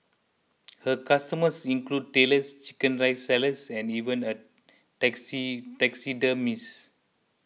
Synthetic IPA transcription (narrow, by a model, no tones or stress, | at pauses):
həkastəməsĩŋklud̚teləst͡ʃi̥kə̃nɹajsɛləsɛ̃nivə̃nə | tɛksitɛksidəmis